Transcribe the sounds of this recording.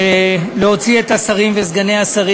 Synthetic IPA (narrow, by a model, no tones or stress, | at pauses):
leɦo̞t͡sie̞t̪asaʁimvezɡane̞asaʁi